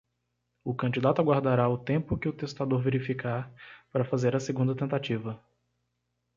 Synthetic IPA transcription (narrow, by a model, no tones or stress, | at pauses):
ʊkɐ̃d͡ʒid̪at̪ʊaɡwaɾd̪aɾaʊt̪ẽpʊkɪʊt̪est̪ad̪oɾveɾifikaɾpaɾɐfazeɾɐseɡũd̪ɐt̪ẽnt̪at͡ʃivɐ